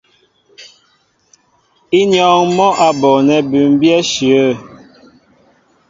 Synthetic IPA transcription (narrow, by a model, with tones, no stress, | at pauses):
i˦njɔ˦ŋmɔ˦ʔa˨bɔ˨nɛ˨bʉ˨m˦bjɛ˦ʃi˨ə˦˨